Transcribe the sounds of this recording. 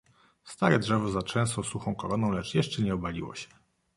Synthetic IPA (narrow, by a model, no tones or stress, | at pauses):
st̪aɾɛdʐɛvɔzat͡ʂɛ̃st̪ɔsuxɔ̃w̃kɔlɔnɔ̃w̃lɛt͡ʂjɛʂt͡ʂɛɲɛɔbalʲiwɔ̰ɕɛ̥